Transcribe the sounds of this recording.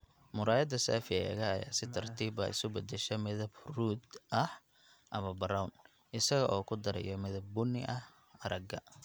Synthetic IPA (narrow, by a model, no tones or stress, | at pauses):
mʊɾaːjɐd̪ɐsa̰ːfɪɐɛɣɐɐja̰ːsɪt̪ʰɐrt̪ʰiːbɐ̰ɪ̰sʊbɐd̪ɛʃɛmɪðɐbruːd̪ʔɐh | ʔɐmɐbɐɾawn | ʔɪsɐɣɐʔɔːkʰʊd̪ɐɾɛ̰jɔmɪðɐb̚ːʊnɪʔɐh | ɐɾɐɡɐ